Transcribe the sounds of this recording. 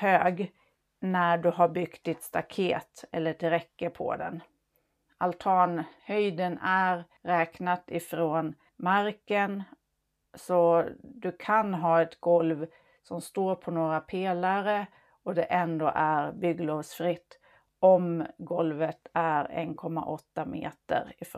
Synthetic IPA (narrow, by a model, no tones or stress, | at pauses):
høːɡ | næɖɵɦaɾbʏɡt̪̚d̪ɪt̪st̪akʰeːt̪ɛlːəʈʰɪɾɛkːəpʰɔ̰d̪ɛ̰n | alt̪ʰɑːnhœjd̪ənæɾ | ɾɛːknat̪ɪfɾoːn | maɾkən | sɔd̪ɵkʰanɦɑːɛt̪ɡɔlv | sɔmst̪oːɾpʰɔnoːɾapʰeːlaɾə | ɔd̪ɛʔɛnd̪oːʔæɾbʏɡlɔvsfɾɪt̪ː | ɔmɡɔlvət̪æɾɛ̰nkʰɔmːa̰ʔɔt̪ːamḛːt̪ə̰ɾɪf